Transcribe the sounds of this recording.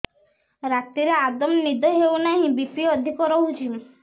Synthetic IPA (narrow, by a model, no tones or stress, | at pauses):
ɾat̪iɾead̪ɔmnid̪ɔɦewnaɦĩbipɾiɔd̪ʱikɔɾɔɦut͡ʃim